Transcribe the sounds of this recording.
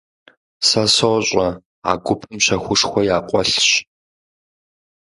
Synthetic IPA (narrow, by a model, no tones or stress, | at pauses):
sɐsowɕʼɐ | a̰ːɡʷʊpʰɨmɕɐxʷʊʂxʷɔjaːqʷʼɔɬɕ